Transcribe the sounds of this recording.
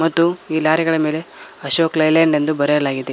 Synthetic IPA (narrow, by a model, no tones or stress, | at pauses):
mɐt̪ːuiːlaːɾiɡɐɭɐme̞ːleɐʃoːklɐjleɳɖend̪ubɐɾeɐlaːɡid̪e